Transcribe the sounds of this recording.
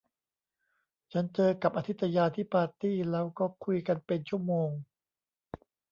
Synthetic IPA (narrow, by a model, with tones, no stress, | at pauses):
t͡ɕʰa˦˥nt͡ɕɤː˧ka˨˩p̚ʔa˧t̪ʰi˦˥t̪ːa˧jaː˧t̪ʰiː˥˩paː˧t̪iː˥˩lɛː˦˥wkɔː˥˩kʰu˧jka˧npe˧nt͡ɕʰu˥˩əmoː˧ŋ